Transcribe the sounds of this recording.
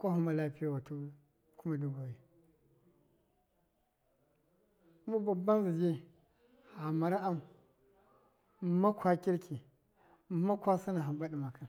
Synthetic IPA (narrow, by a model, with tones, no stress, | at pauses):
kʷa˦hu˦ma˦la˦pi˦ja˦˨wa˨tu˦ | ku˦ma˦du˦ɡo˨ji˨ | ma˦ba˨ba˦nzi˨d͡ʒi˦ | ha˨ma˨ɾa˦ʔa˦mu˨ | ma˦kʷwa˦kʲi˦ɾki˨˦ | ma˦kʷa˦si˦na˨ɦa˨ba˦di˨ma˨ka˦n